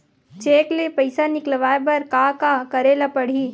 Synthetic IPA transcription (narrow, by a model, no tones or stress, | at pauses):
t͡ʃeːklepɐɪsanɪklʋaːebɐɾkakakɐɾeːlapɐɽ̤iː